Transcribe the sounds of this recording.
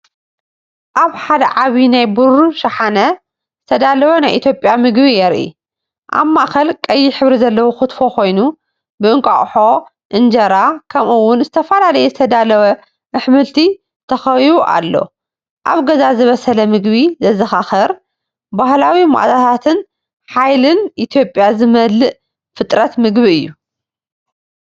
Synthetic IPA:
ʔaβħad̪ɐʕaβinajbuɾuʃɐħanɐ | zɨt̪ʰɐd̪alɐwɐnajʔḭt̪ʰjo̞pʼjamɨɡβijɛɾʔḭ | ʔa̰βmaʔkɐlkʼɐjːɪħɨβɾizɐlːɐwoxɨt̪fo̞kʰo̞jnu | bɨɨŋkʼa̰χʼħo̞ | ʔɨnd͡ʒɐɾakʰɐmʔuwːʊnzɨt̪ʰɐfɐlalɐjɛzɨt̪ʰɐd̪alɐwɐ | ʔɨħmɨlt̪ʰi | t̪ʰɐxɐwiβuʔa̰lːo̞̰ | ʔa̰βɡɐzazɨβɐsɐlɐmɨɡβizɐzɐxaxɐɾ | bahlawima̰ʔt̪ʰat̪ʰat̪ʰɨn | ħajlɨnʔit̪ʰjo̞pʼːjazɨmɐlːɨʔ | fɨt̪ʼɾɐt̪mɨɡβiɨjːu

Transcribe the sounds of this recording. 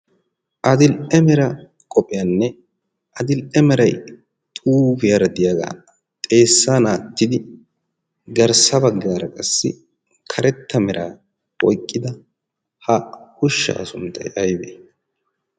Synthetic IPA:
ʔɐd̪ɪlʔɛmɛɾɐ | kʼɔpʼɪjaːnːɛ | ʔɐd̪ɪlʔɛmɛɾɐj | t̪ʼuːbɪjɐɾɐd̪ɪjaɡa̰ː | t̪ʼe̞ːsːaːnaːt̪ːɪd̪ɪ | ɡɐɾsɐbɐɡːaːɾɐkʼɐsːɪ̰ | kʰɐɾɛt̪ʰːɐmɛɾʔaː | ɔjkʼːɪd̪ɐ | hɐhʊʃːa̰ːsʊnt̪ːɐ̰jʔɐjbeː

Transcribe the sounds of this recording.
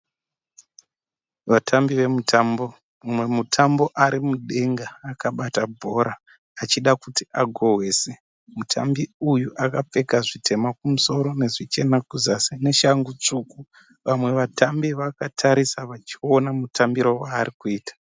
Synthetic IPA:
ʋatʰambiʋe̞mutʰambo | mumwe̞mutʰambo̞ʔaɾimuɗe̞ŋɡaːkaɓatabʱo̞ɾaː | t͡ʃiɗakutiaɡʱo̞ɦwe̞se | mutʰa̰mbiujuʔakap͡fe̞kaʐitʰe̞makumuso̞ɾo̞ne̞ʐit͡ʃe̞nakuzasene̞ʃaŋɡut͡ʂuku | ʋamwe̞ʋatʰambiʋakatʰaɾisaʋat͡ʃio̞namutʰambiɾowaːɾikuiːtḁ

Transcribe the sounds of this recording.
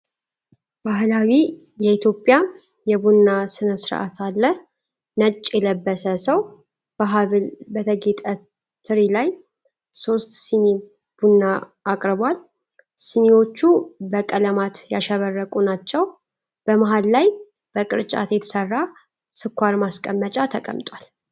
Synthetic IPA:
baɦlawi | jɛit̪ʰjo̞pʼːja | jɛbunːasɨnəsɨɾʔa̰t̪ʰalːə | nət͡ʃʼːjɛləbːəsəsəw | b̥əɦaβlbət̪ʰəɡet̪ʼə | t̪ʰɨɾilaj | so̞st̪sɨni | b̥unːaʔːkʼɾɨbal | siniwo̞t͡ʃːubəkʼələmat̪ja̰ʃɛβərːəkʼunat͡ʃːɛw | b̥əmaɦalːaj | b̥əkʼɨɾt͡ʃʼa̰t̪jɛt̪ʰə̥sərːa | sɨkʷːaɾmaskʼəmːət͡ʃʼat̪ʰəkʼə̰mt̪ʼwal

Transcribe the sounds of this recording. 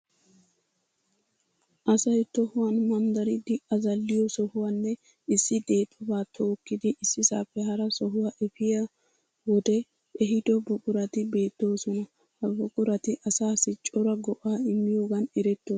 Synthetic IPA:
ʔɐsɐjt̪ɔhʊwaːnmɐmd̪ɐɾɪd̪ɪʔɐzɐlːɪjɔsɔhʊwanːɛ | ɪsːɪd̪e̞ːt̪ʼːɔbaːt̪ʰo̞ːkːɪd̪ɪʔɪsːɪsaːpːɛɦɐɾɐsɔɦʊwaʔɛfɪja | wɔd̪ɛ | ʔɛɦɪd̪ɔbɔkʼʊɾɐt̪ɪbe̞ːt̪ːo̞ːsɔnɐ | hɐbɔkʼʊɾɐt̪ɪʔɐsaːsɪt͡ʃʼːɔɾɐɡɔʔaːɪmːɪjo̞ːɡɐnɛɾɛt̪ːoː

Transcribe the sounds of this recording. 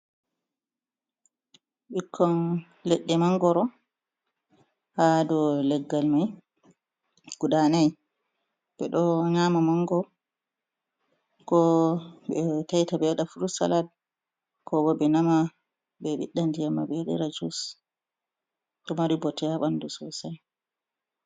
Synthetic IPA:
ɓikʰːɔn | lɛɗːɛmaŋɡɔɾɔ | hadɔlɛɡːalmaj | ɡ̥udanaj | b̥ɛɗɔɲamamaŋɡɔ | kɔbɛtajtabɛɗafuɾusa̰lad̚ | kʰɔɡɔbɛnama | bɛɓḭɗːandijamːabɛɗɛ̰ɾad͡ʒus | ɗɔmaɾibɔtɛaɓandusɔsaj

